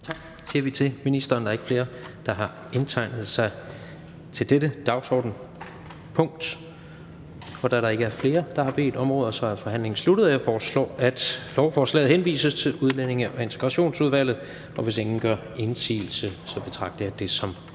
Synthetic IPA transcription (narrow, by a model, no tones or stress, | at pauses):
t͡sʰɑ̈ɡ̥ | siɐʋit͡sʰe̝minisd̥ɐːndɑe̝̥əfle̝ːɐd̥ɑ̈ɦɑ̈ | e̝nt͡sʰɑ̈ɪnð̞̩ˠsɑ̈ɪ | t͡sʰe̝ld̥eɾ̥əd̥ɑ̈ʊsɒ̰ːd̥n̩ | pʰɔ̽ŋ̰d̥ | ɒd̥æɾɑ̈e̝ɡ̥əæɐfle̝ːɐd̥ɑ̈hɑ̈b̥e̝̰ːd̥ɒ̽mʁɔ̽ːðˠɐsɒ̽æfɒ̽ɦæn̰le̝ŋn̩slud̥əð̞̩ˠjɑfɒːslɒ̰ːæd̥lɒʊfɒːslɛ̰ːð̩ˠhenʋḭːsəst͡sʰe̝luð̞ˠlen̰e̝ŋəʔɒe̝nt͡sʰe̝ɡ̥ʁɑ̈ɕo̝̰ːnsuð̞ˠʋæl̰ð̩ˠ | ɒ̽ʋe̝seŋn̩ɡ̥ɶɐ̰ | e̝nsḭːl̩səsɒ̽b̥e̝t͡sʰʁɑ̈ɡ̥̚d̥ɐjɑ̈d̥e̝sɒ̽m